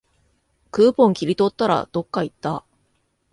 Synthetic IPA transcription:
kɯːpõ̞ŋkʲiɾʲit̪o̞t̪ːaɾa̰d̪̥o̞kːait̪ːa

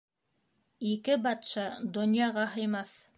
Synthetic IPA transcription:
ikɘbɑt̪ʃɑd̪ŏnjɑʁɑɦɤ̆jmɑθ

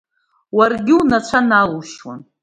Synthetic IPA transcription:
warɡʲɪunat͡ʃʷʰanaluʃwa̰n

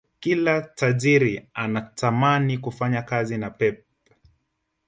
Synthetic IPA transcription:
kilataʄiɾianatamanikufaɲakazinapɛp̚

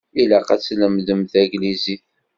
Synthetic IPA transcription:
ilæqæt͡sːləmðəmðæɡlizi

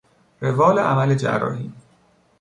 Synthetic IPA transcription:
ɾevɒːleʔæmæled͡ʒæ̰ɾɒ̰ːhiːn

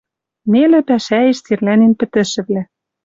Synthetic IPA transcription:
nelĕpæʃæeʃt͡serlænenpɘ̆t̪ɘ̆ʃɘ̆βlæ

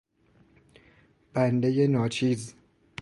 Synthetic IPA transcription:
b̥ænd̪eje̞nɒːt͡ʃʰiːz

